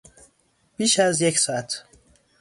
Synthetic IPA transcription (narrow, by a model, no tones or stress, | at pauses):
b̥iːʃæzjecsɒːæt̪ʰ